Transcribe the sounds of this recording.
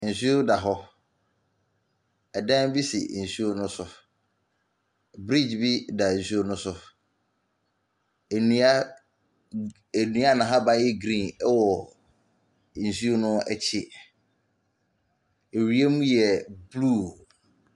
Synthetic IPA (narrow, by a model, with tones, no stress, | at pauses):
n̩˨su˦o˦da˨ɦɔ˦ | ɛ˨dã˦nbi˦sɪ̰˨su˦o˦nʊ̃˦sʊ˦ | bɾi˦˨d͡ʑbi˦da˨su˦o˦nʊ̃˦sʊ˦˨ | ñ˨a˦ | e˨nũ˨˦a˦˨nã˨ɦa˦ba˦jɛ˦ɡɾĩ˦˨nɛ˦wɔ˨ | n̩˨su˦o˦nʊ̃˦ɛ˨t͡ɕʰɪ˦ | e˨ɾi˦e˦mũ˦jɛ˨bluː˦˨